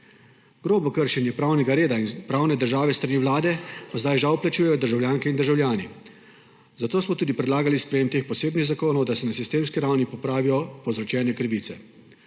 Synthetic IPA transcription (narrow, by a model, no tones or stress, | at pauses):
ɡ̥ɾoːbɔkəɾʃɛnjɛpɾaːwnɛɡaɾeːd̪ainpɾaːwnɛd̪əɾʒaːʋɛst̪ɾaniːwlaːd̪ɛpazd̪ajʒawplat͡ʃuːjɛjɔd̪əɾʒawljaːŋkɛind̪əɾʒawlʲjaːni | zat̪oːsmɔt̪uːd̪ipɾɛd̪laːɡalispɾɛjeːmt̪eːxpɔseːbniɣzakoːnɔwd̪asɛnasist̪eːmskiɾawnipɔpɾaːʋijɔpɔwzɾɔt͡ʃɛːnɛkɾiʋiːt̪sɛ